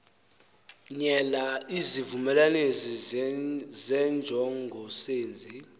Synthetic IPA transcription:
ɲɛlaizivumɛlanezi | zɛnd͡ʒʱɔŋɡʱɔseːnd͡zʱi

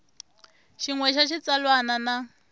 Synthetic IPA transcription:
ʃiŋwɛʃaʃit͡salwanana

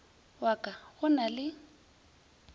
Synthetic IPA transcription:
wakʼaɣʊnalɪ

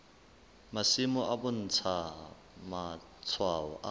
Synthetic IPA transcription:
masimɔʔabʊn̩t͡sʰa | ma | t͡sʰwaɔ̰ʔa

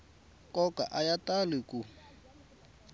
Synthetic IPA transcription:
kʼɔkʼa̰ʔajatʼalɪkʼu

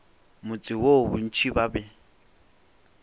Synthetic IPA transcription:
mʊt͡sʼɪwobʊn̩t͡ʃʰibabɛ

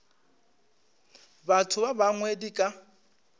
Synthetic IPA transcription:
batʰʊbabaŋwedikʼa

